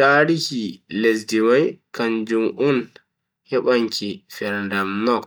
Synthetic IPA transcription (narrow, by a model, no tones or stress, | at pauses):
aɾihiles̬dimajkaɲd͡ʒumʔun | hɛɓaŋkʰifɛɾndamnɔk